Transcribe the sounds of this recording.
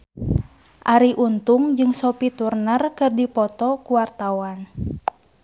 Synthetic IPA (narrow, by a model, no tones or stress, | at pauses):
ʔaɾiʔunt̪uŋd͡ʒɨŋsɔpit̪urnərkɨrdipɔt̪ɔkuwart̪awan